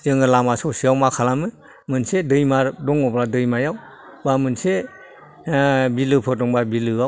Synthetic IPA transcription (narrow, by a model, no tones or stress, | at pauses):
zɯŋɯlamasɔsiawmakʰalamɯ | mɯnsedɯjmaɾdɔŋɔpladɯjmajaw | bamɯnse | bilɯpʰɯɔŋbabilɯaw